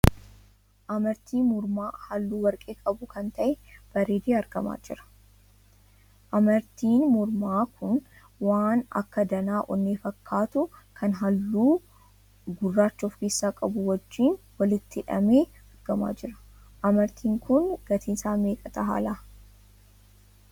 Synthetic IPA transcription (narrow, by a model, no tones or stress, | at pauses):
ʔɐmɐɾt̪iːmʊɾmaːhɐlːuːwɐɾkʼeːkʼɐbʊkɐnt̪ɐʔɛb̥ɐɾeːd̪eːɐɾɡɐma̰ːd͡ʒɪɾɐ̥ | ʔɐmɐɾt̪iːnmʊɾmaːkʰʊn | waːnɐ̰kːɐd̪ɐnaːʔɔnːeːfɐkʰːaːt̪ʊkʰɐnɦɐlːuː | ɡʊrːaːt͡ʃːɔfkeːsːaːkʼɐbʊwɔd͡ʒːiːn | wɐlɪt̪ːɪᶑɐ̰meː | ɐɾɡɐma̰ːd͡ʒɪɾɐ̥ | ʔɐmɐɾt̪ʰiːŋkʊnɡ̥ɐt̪iːsaːme̞ːkʼɐt̪ɐɦa̰ːlaː